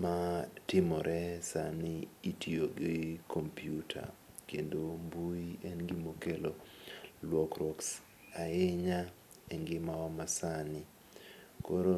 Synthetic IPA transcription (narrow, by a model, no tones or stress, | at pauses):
matɪmɔɾʔɛsanɪitʰioɡɪkʰompjutʰa̰ | kendombuiɛnɡɪmokelolwɔkɾɔks | aeɲa | eŋɡɪmaɔmasanɪ | koɾo